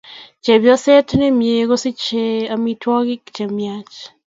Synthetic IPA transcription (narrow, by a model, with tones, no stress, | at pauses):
t͡ʃe˨bjɔ˦sɛ˦tne˦mje˨ɣo˦si˦t͡ʃe˦a˦mi˦twɔ˦ɣɪ˦kt͡ʃe˨mja˦t͡ʃ